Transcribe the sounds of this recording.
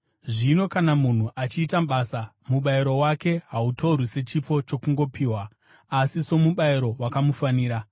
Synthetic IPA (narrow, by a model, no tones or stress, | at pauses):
ʐino̞kanamun̤uʔat͡ʃiːtamɓasa | muɓaiɾo̞wake̞ɦauto̞urwise̞t͡ʃip͡fo̞t͡ʃo̞kuŋɡo̞piːwaː | siso̞muɓaiɾo̞wakamufaniːɾa